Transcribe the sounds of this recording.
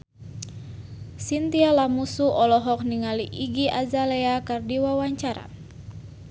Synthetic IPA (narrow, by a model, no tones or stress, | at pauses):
sint̪ialamusuɔlɔɦɔk̚niŋaliʔiɡiʔazalɛakardiwawaɲt͡ʃaɾa̰